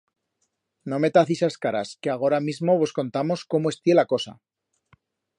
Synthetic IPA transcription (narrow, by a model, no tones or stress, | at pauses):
no̞me̞t̪aθisaskaɾa̰skeaɣ̞o̞ɾamizmo̞βo̞sko̞nt̪amo̞sko̞moe̞st̪je̞lako̞sa̰